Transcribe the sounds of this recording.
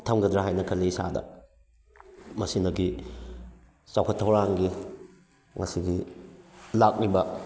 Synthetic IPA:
tʰɐmɡɐdɾaɦajnɐkʰɐlisa̰dɐ̰ | mɐsinɐɡi | sawkʰɐtʰːɐwɾaŋɡi | ŋɐsiɡi | lak̚libɐ

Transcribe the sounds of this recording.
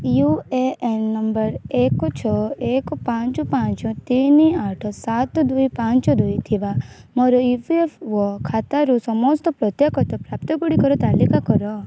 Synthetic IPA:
jueʔenːɔmbəɾekɔt͡ʃʰɔekɔpãɲt͡ʃupãːɲt͡ʃɔ̃t̪iniaːʈʰɔsat̪ɔd̪ujpãːɲt͡ʃɔd̪ujt̪ʰiʋamɔɾɔipiefʋɔkʰat̪aɾusɔmɔst̪ɔpɾɔt̪jekɔt̪ɔpɾaːpt̪ɔkuɽikɔɾɔt̪aːlikakɔɾɔ

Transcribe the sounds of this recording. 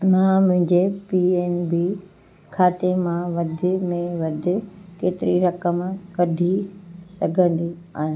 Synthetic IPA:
mãmʊ̃ɦɪ̃ɲd͡ʑepieːnbi | kʰaːt̪emãʋɐd̪ʱɪ̆mẽʋɐd̪ʱɪ̆keːt̪ɪɾiɾɐkəmkɐdʱisɐɡʱə̃n̆d̪i | a̰ːɦɪ̃

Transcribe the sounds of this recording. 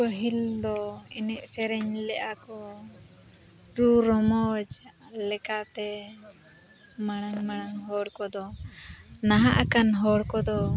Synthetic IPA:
əɦild̪ɔinɛʔsɛɾɛɲlɛʔakɔ | ɾuɾɔmɔd͡ʒlɛkat̪ɛ | maɽ̃aŋmaɽ̃aŋɦɔɽkɔd̪ɔ | naɦaʔakanɦɔɽkɔd̪ɔ

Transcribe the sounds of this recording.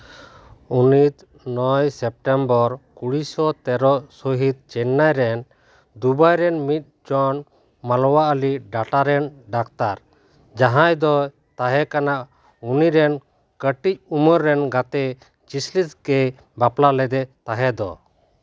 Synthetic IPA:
unit̪ | nɔjsɛp̚ʈɛmbɔɾkuɽisɔt̪ɛɾɔʔsɔɦit̪̚t͡ʃɛnːajɾɛn | d̪ubajɾɛnmit̪̚ˀd͡ʒɔn | malɔwaʔəliɖaʈaɾɛnɖakt̪aɾ | d͡ʒaɦãjd̪ɔ | t̪aɦɛkanaʔ | uniɾɛn | kəʈic̚uməɾːɛnɡat̪ɛ | t͡ʃisliskɛ | baplalɛd̪ɛt̪aɦɛd̪ɔ̰

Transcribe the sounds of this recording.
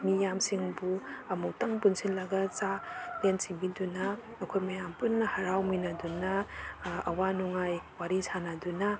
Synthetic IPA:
mijamsiŋbuɐmuwtɐŋpunsinlɐɡɐt͡ʃalentsiŋbidunɐː | kʰojmɐjampunːɐhɐɾawminadunɐ | ɐwanuŋajwaɾisanadunɐ

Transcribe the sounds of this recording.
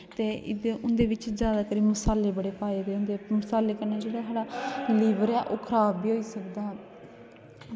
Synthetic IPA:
t̪eːɪ̰d̪eːʔʊnd̪eːʋɪt͡ʃd͡ʒjaːd̪aːkəɾiːmʊsaːlːeːbəɽeːpaːeːd̪eːʊnd̪eːmʊsaːlːeːkənaːd͡ʒeːɽaːɦaːɽaːliːʋəɾɛːʔoːkʰɾaːbiːɦoːiːsəkd̪aː

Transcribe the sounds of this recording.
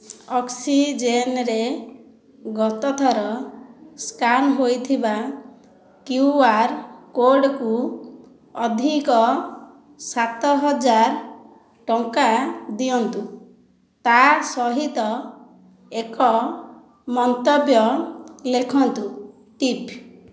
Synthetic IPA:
ɔksid͡ʒenɾe | ɡɔt̪ɔt̪ʰɔɾɔskanɦojt̪ʰiba | kjuaɾkoɾɖku | ɔd̪ʱikɔ | sat̪ɔɦɔd͡ʒaɾ | ʈɔŋkad̪iɔnt̪u | t̪asɔɦit̪ɔ | ekɔ | mɔnt̪ɔbjɔlekʰɔnt̪u | ʈip

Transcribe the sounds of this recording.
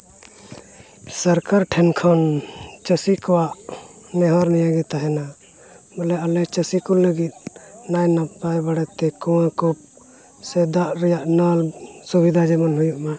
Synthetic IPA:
səɾkaɾʈʰɛnkʰɔnt͡ʃəsikɔwaʔ | nɛɦaɾnɛjaɡɛt̪aɦɛna | bəlɛalɛt͡ʃəsikulːəɡit̪̚ˀnajnapajbaɽɛt̪ɛkuwãkup̚ | sɛd̪aʔɾɛjaʔnalsubid̪ʱad͡ʒɛmɔnɦujuʔma

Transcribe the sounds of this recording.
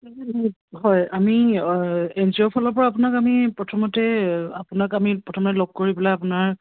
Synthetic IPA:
ɦɔjami | ɛnziɔpʰɔlɔɹpɔɹaːp̬unakamipɹɔtʰɔmɔtɛapunakamipɹɔtʰɔmɔtɛlɔɡ̚koɹibɛlajapunaɹ

